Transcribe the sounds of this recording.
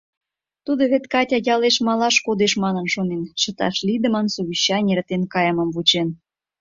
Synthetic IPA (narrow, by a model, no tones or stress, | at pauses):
t̪ud̪oβet̪kɑtʲɑjɑleʃmɑlɑʃkod̪eʃmɑnə̆nʃonenʃə̆t̪ɑ̰ʃlid̪ə̆mənsuβʲiɕːɑnʲert̪enkɑjəmə̆mvut͡ɕen